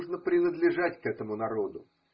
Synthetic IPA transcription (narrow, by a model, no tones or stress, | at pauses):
ʐnəpɾʲɪnəd̪lʲɪʐatʲkɛt̪əmʊnɐɾo̞d̪ʊ